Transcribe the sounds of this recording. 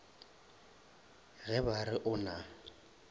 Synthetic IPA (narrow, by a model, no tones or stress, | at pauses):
ɣɛbarɪʔʊna